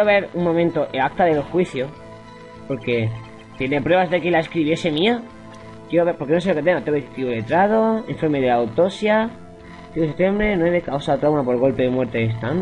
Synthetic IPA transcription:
joβe̞ɾuŋmõmẽnt̪oʔelak̚t̪aðe̞lo̞sxwiθjo | po̞ɾke̞ | t̪jenepɾwe̞βazðe̞kelaeskɾiβje̞se̞mĩa | kje̞ɾoβeɾpo̞ɾke̞nos̬e̞lo̞ke̞t̪e̞ŋɡot̪eet̪iole̞t̪ɾað̞o̞eɱfoɾmeðelawt̪o̞sja | t̪iuset̪embɾenweβekawsaot̪ɾawnapo̞ɾɣ̞o̞lpeðemweɾt̪eest̪an

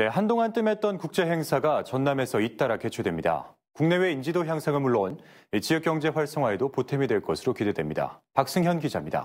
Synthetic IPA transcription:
ne̞ɦandoŋant͈ɯme̞t̚t͈ʌnkuk̚t͡ɕ͈e̞ɦe̞ŋsʰaɡat͡ɕʌnːame̞sʰʌit̚t͈aɾake̞t͡ɕʰodwe̞mɲida̰ | kuŋne̞we̞ind͡ʑidoçjaŋsʰaŋɯɭmuɭːon | t͡ɕijʌk͈jʌŋd͡ʑe̞ɸwaɭs͈oŋɦwaedopotʰemidwe̞ɭk͈ʌsʰɯɾokide̞dwe̞mɲida̰pak̚s͈ɯŋçjʌnɡid͡ʑamɲida̰

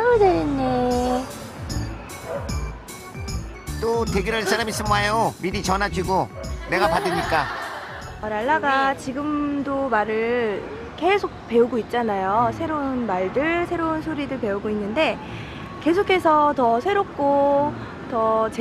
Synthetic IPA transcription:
ɾodeɾinːe | t͈oteɡiɾɯɭs͈ʰaɾamis͈ɯmajomidit͡ɕʌnad͡ʑiɡone̞ɡapadɯmɲik͈a | ʌɾaɭːaɡat͡ɕiɡɯmdomaɾɯ | ke̞sʰok̚pe̞uɡoit̚t͡ɕ͈anajosʰe̞ɾounmaɭdɯɭsʰe̞ɾounsʰoɾidɯɭpe̞uɡoinːɯnde̞ | ke̞sʰokʰe̞sʰʌtʌsʰe̞ɾop̚k͈o | tʌt͡ɕ

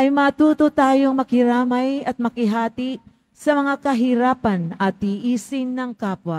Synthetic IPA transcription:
ʔɐjmɐt̪uːt̪ot̪aːjoŋmɐkhɪɾaːmɐjɐt̪̚mɐkɪɦaːt̪ɪ | sɐmɐŋakɐɦɪɾaːpɐnɐt̪̚iːʔiːsɪnːɐŋkaːpwɐ

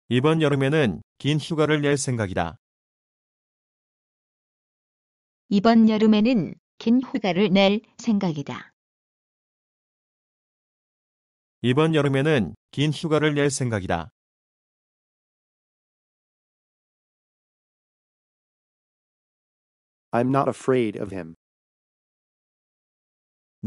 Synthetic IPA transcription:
ibʌnjʌɾɯme̞nɯnkinɕuɡaɾɯɭne̞ɭsʰe̞ŋɡaɡida̰ | ibʌnjʌɾɯme̞nɯn | kinçuɡaɾɯɭneɭ | sʰe̞ŋɡaɡida̰ | ibʌnjʌɾɯme̞nɯnkinçuɡaɾɯɭneɭsʰe̞ŋɡaɡida̰ | ãɪ̃mnəɾəfɹeɪɾʌ̰v̥ɪ̰̃m

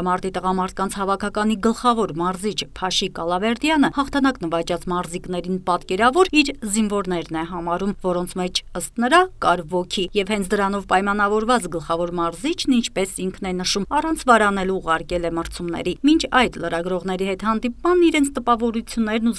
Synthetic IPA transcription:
mɑɾt̪it̪əʁɑmɑɾt̪̚ʰkɑnt͡sʰhɑvɑkʰɑkɑn̪iɡəlχɑvɔɾmɑɾzit͡ʃʰpʰɑʃikɑlɑvɛɾd̪jɑnəhɑχt̪ʰɑnɑknəvɑt͡ʃɑt͡smɑɾzikn̪ɛɾinpɑt̪kɛɾɑvɔɾiɾzinvɔɾn̪ɛɾnɛɦɑmɑɾumvɔɾɔnt͡sʰmɛt͡ʃʰəst̪nəɾɑkɑɾvɔkʰijɛvhɛnt͡sʰd̪əɾɑnɔvpɑjmɑn̪ɑvɔɾvɑt͡sɡəlχɑvɔɾmɑɾzit͡ʃʰnint͡ʃʰpɛsiŋkʰnɛnəʃumɑrɑnt͡sʰvɑɾɑnɛluːʁɑɾkɛlɛməɾt͡sʰumnɛ̰ɾimint͡ʃʰɑjd̪ləɾɑɡɾɔʁn̪ɛɾiɦɛt̪hɑnd̪ip̚mɑnːiɾɛnt͡sʰt̪əpɑvɔɾut͡sʰjunːɛɾnu

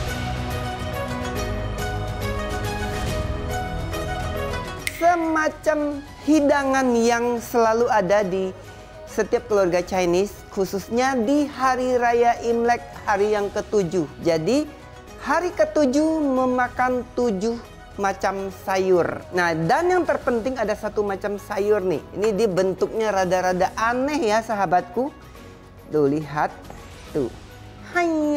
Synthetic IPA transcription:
səmat͡ʃam | hidaŋanjaŋsəlaluadadi | sət̪iap̚kəluarɡat͡ʃajnɪs | kʰususɲadiɦaɾiɾajaʔimlɛk̚haɾijaŋkət̪ud͡ʒuhd͡ʒadi | haɾikət̪ud͡ʒuhməmakant̪ud͡ʒʊh | mat͡ʃamsajʊrnahdanjaŋt̪ərpənt̪ɪŋadasat̪umat͡ʃamsajʊrnɪ̰hḭnidiabənt̪ʊk̚ɲaɾadaɾadaʔanɛhjasaɦabat̪̚ku | duliɦat̪ː | ṵ | ha

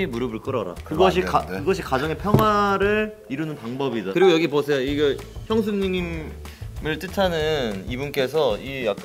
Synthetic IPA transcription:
imuɾɯbɯɭk͈ɯɾʌɾa̰kɯɡʌɕʰikakɯɡʌɕʰikad͡ʑʌŋe̞pʰjʌŋɦwaɾɯɭ | iɾunɯnpaŋbʌbidakɯɾiɡojʌɡiposʰe̞joiɡeçjʌŋs̬ʰumɲiŋim | mɯɭt͈ɯtʰanɯnibunk͈e̞sʰʌijak͈

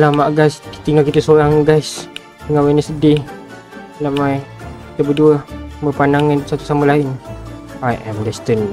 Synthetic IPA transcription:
lamaʔɡajst̪iŋalkit̪əsoɾaŋɡajs | t̪iŋalwanəsədɪh | naʔmajit̪əbəduəməpanaŋənsat̪u̥saməlaɪn | ajʔɛmdɛst̪ən

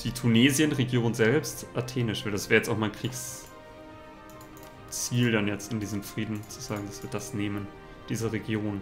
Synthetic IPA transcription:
d̥iːtʰuneːzjənʁeɡjoːnzɛlpstʔatʰeːnɪʃv̥aldasv̥ɛːʁjɛt͡staʊxmaɪnkʁ̥iːks | t͡siːldanjɛt͡stɪndiːzəmfʁ̥iːdn̩t͡suz̥aːɡŋ̩dasv̥iːɐdasneːmən | d̥iːzɐʁeɡjoːn

